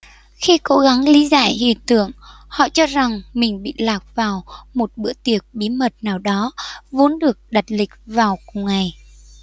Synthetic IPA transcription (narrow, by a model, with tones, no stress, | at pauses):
xi˧ko˨˦ɣa˨˦ŋli˨˦za̰ː˧˨jhḭ˧˨ət̪ɨ̰˧˨əŋ | hɔ̰˧˨t͡ɕɔ˧za˨˩ŋmï˨˩ŋ̟ɓḭ˧˨laː˨˩p̚vaː˨˩wmo˨˩t̚ɓɨ̰˧˥ət̪i˨˩ək̚ɓi˨˦mə˨˩t̚naː˨˩wɗɔ˨˦vo˨˦nɗɨ˨˩ək̚ɗa˨˩t̚lï˨˩k̟̚vaː˨˩wkʊ˨˩ŋ͡mŋa˨˩j